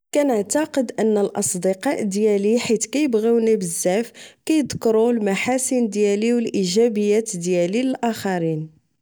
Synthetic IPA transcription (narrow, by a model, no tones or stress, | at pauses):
kænəʕt̪ɑqəd̪ʔənːəlʔɑsˤd̪əqɑʔd̪jæliħit̪kæjəbɣiwnibəzːæfkæjəd̪kɾulmæħasənd̪jæliwəlʔiʒæbəjːæt̪d̪jæliləlʔæxɑɾin